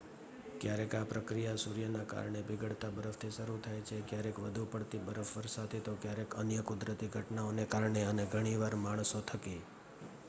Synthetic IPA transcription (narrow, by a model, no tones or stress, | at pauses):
kjaɾekapɾəkɾijasuɾjənaka̰ɾɳ̃ebʱɪɡəɽt̪abəɾəft̪ʰiʃəɾut̪ʰajt͡ʃʰekjaɾekʋəd̪ʱupəɽt̪ibəɾəfʋəɾsat̪ʰet̪okjaɾekənjəkʊd̪ɾət̪iɡʱəʈnaonekaɾɳeəneɡʱəɽ̃iʋaɾmaɳ̃sot̪ʰəke